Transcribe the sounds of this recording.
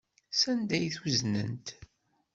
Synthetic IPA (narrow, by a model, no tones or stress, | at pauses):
sænd̪æjθwuznə̰nt̪